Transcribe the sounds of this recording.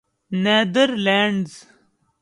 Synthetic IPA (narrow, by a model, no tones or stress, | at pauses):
neːd̪əɾleːɳɖz